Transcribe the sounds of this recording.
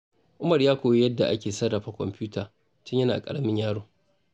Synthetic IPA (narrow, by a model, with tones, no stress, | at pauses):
ʔʊ˦mɐ˨rjaː˦kʷoː˨je˦jɐ˦dːa˨ʔa̰˦kʲeː˨sɐ˦rɐ˨ɸa˨kʷɔ̰˨mpʲuː˦tʰaː˨ | tɪ˦ɲjɐ˦naː˨kʼɐ˨ɽɐ˨mɪ˦ɲjaː˦ɽoː˨